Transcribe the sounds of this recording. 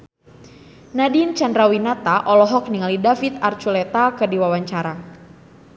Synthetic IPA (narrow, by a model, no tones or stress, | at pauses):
nadint͡ʃandɾawinat̪aʔɔlɔɦɔk̚niŋalidafit̪̚art͡ʃulɛt̪akɨdiwawaɲt͡ʃaɾa